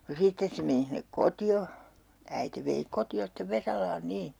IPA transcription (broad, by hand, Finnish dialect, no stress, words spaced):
no sitːes se meni hinːek kotio æite ʋei kotio steʋ ʋesɑlɑːn niː